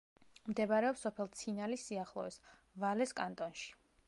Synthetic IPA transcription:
md̪ɛbaɾɛɔpsɔpʰɛlˠt̪sʰinalisiaχlˠɔ̰vɛs | valɛskʼant̪ʼɔnʃi̥

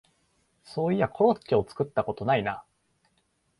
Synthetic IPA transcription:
so̞ːiakʰo̞ɾo̞tt͡ɕːio̞t͡sɨ̥kɯ̟t̪ːako̞t̪o̞naina

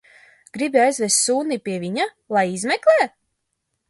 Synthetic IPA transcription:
ɡ̥ɾibiajzvʲɛst̪suːnipʲiɛvʲiɲa | lˠajizmʲɛklʲˠeː

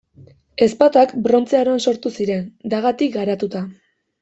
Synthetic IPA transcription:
e̞spat̪oakbɾo̞nt͡seaɾoanso̞ɾt̪usiɾe̞nd̪aɣat̪ik̚ɡaɾat̪ut̪a

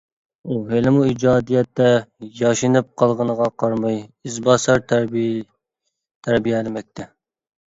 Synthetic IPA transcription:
uɦelɪmuid͡ʒɑːd̪ijɛt̪ːɛjɑʃinɨp̚qʰɑlˠʁənəʁɑqʰɑɾmɑjizbɑsɑɾt̪ | t̪ʰæɾbijɛlɪmɛk̚ʲt̪ʰɛ

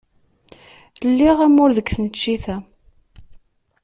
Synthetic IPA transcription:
lːiʁæmʊɾðəkθnət͡ʃːiθæ

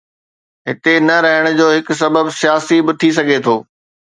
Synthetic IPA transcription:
ɦɪt̪enɐɾɐɦɪɽ̃ʊd͡ʑoːɦɪkʊ̆s̬ɐbəbsijaːsibɪt̪ʰis̬ɐɡʱet̪ʰoː

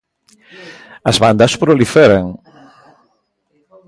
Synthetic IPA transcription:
ɐzβand̪ɐspɾolifɛɾeŋ

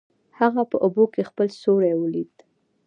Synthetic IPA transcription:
haɣapəʔobokexpəlsoɾajwəlid̪

